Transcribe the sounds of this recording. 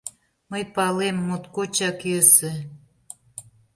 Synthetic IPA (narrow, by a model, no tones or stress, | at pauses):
məjpɑlemːut̪kot͡ɕɑkjøsĕ